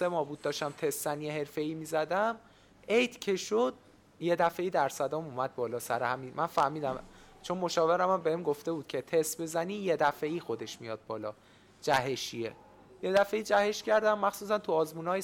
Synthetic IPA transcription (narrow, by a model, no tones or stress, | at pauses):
semɒːbuːd̪̚ːɒːʃtæmt̪ʰe̞st̪ːænjeɦe̞ɾfe̞iːmiːzæd̪æm | ejt̪ʰcʰe̞ʃod̪ | je̞d̪æfe̞iːd̪æɾsæd̪ɒːmumæd̪̚bɒːlɒːsæɾehæmimænfæhmiːd̪æmt͡ʃʰo̞nmoʃɒːveɾæmæmbehemɡoft̪e̞buːd̪̥kcʰe̞t̪ʰest̪be̞zæniːje̞d̪æfeiːxo̞d̪e̞ʃmijɒːd̪̚bɒːlɒː | d͡ʒæɦeʃiḛ | je̞d̪æfe̞iːd͡ʒæhe̞ʃcʰæɾd̪æmːæxsuːs̬ænt̪ʰuɒːzmuːnɒːje